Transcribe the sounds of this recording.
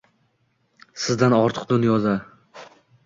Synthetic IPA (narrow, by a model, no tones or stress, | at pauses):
sɪzd̪anɒɾt̪ʰɨ̥qd̪ʊnjɒd̪a